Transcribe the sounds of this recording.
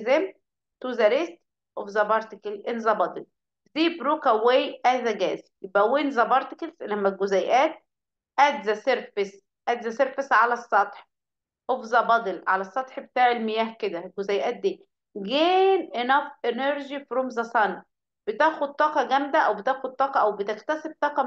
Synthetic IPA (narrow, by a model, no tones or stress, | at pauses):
zem | t̪uːzæɾest̪ | ʔofzɑbɑɾˤt̪ɪkelʔenzɑbɑd̪ˤel | ziːbɾuːkæweːjʔæzæɡæːzijebʔæwenzæbɑɾˤt̪ɪkelzlæmːæɡozæjʔæːt̪̚ | ʔæd̪zæseɾfes | ʔæd̪zæseɾfesʕalæsˤːɑt̪ˤħ | ʔofzɑbɑd̪ˤelʕa̰læsˤːɑt̪ˤħbet̪aːʕelmejæːhked̪æɡozæjʔæːt̪̚d̪iː | ɡeːnʔenɑfʔeneɾʒifɾomzæsˤɑn | b̥et̪æːxod̪̚t̪ːˤɑːqɑɡæmd̪æʔæwbet̪æːxod̪̚t̪ːˤɑːqɑʔæwbet̪ekt̪æseb̚t̪ˤɑːqɑ